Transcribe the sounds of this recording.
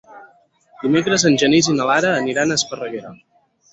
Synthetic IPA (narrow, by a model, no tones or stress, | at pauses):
d̪̥imekɾəzənʲʒənizinəlaɾəːniɾanəspərəɣeɾə